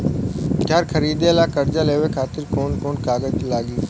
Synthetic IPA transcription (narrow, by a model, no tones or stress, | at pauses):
kʰjaːɾkʰɐɾiːd̪eːlaːkɐɾd͡ʒaleːʋekʰaːt̪ɪɾkoːɳkoːɳkaːɡəd͡ʒlaːɠiː